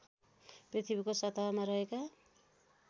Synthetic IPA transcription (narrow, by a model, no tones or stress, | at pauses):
prit̪ʰibikosʌt̪aɦmaɾʌɦeka